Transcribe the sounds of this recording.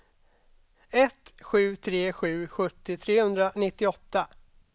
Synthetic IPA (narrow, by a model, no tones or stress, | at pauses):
ɛt̪ɧʉ̟ːt̪ʰɾeːɧʉ̟ːɧɵt̪ːɪt̪ʰɾeːhɵnd̪ɾanɪt̪ːɪɔt̪ːa